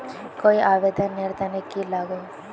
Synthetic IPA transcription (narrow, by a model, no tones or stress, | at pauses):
koiʔaʋed̪ʱənːeɾt̪ənekilaɡo